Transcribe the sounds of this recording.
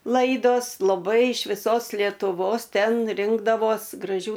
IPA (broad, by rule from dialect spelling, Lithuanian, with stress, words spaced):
ˈlˠɐɪdoːs lˠɐˈbɐɪ ɪʃ ʋʲɪˈsoːs lʲiɛtʊˈʋoːs ˈtʲɛn ˈrʲɪŋɡdɐʋoːs ɡrɐˈʒʲuː